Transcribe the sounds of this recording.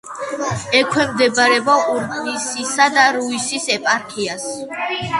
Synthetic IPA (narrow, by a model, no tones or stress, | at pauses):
ɛkʰwɛmd̪ɛbaɾɛbɔuɾɡnisisad̪aɾuisisɛpʼaɾkʰias